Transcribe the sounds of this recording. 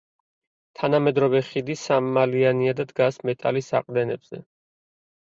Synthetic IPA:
t̪ʰanamɛd̪ɾɔvɛχid̪isamːalianiad̪ad̪ɡasmɛt̪ʼa̰lisa̰qʼd̪ɛnɛbz̥ɛ̰

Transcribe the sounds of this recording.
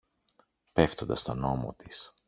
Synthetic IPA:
pe̞ft̪o̞nd̪ɐst̪o̞no̞mo̞̰t̪is

